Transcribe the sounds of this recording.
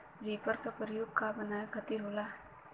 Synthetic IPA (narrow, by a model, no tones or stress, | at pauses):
ɾipəɾkapəɾjoːɡ̚kabənaːjkʰət̪iɾɦoːla